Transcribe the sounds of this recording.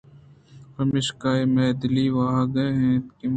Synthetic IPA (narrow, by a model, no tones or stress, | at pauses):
pɐmɪʃkaːemɛːd̪liʋaɦaɡɐeɦɛ̃ːt̪kim